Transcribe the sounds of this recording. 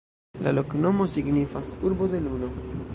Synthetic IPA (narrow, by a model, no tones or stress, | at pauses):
la̰lo̞kno̞mo̞siɡnifasuɾbo̞d̪eluno̞